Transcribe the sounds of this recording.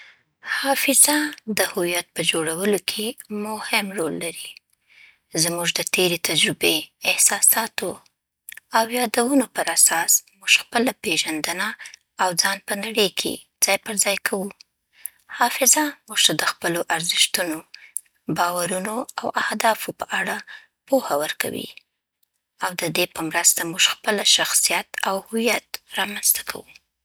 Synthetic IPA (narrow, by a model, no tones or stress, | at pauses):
hɑfɪzad̪əhujat̪̚pəd͡ʒoɽawəlokʰemʊhɪmɾolːaɾi | zmuʒd̪ət̪eɾet̪ad͡ʒɾɪbeɪhsɑsɑt̪o | awjɑd̪awunopəɾasɑsmuʒ̥xpəlapeʒand̪ənaː | wd͡zɑnpənaɽəjkʰḛ | d͡z̥ɑjpəɾzɑjkʰawu | hɑfɪzamuʒ̥t̪ad̪əxpəloʔaɾzɪʃt̪uno | bɑwaɾunoawʔahd̪ɑfopəʔaɽa | pohawəɾka̰wḭ | awd̪əd̪epəmɾəst̪amuʒ̥xpəlaʃaxsijat̪awhʊwijat̪ɾɑmanzt̪ḁkʰa̰wu